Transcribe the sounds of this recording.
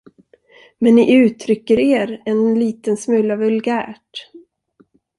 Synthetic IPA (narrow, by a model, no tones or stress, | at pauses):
mɛnːɪʔʉ̟ːt̪ʰɾʏkːəɾeːɾɛnliːt̪ənsmɵlːavɵlɡæːʈ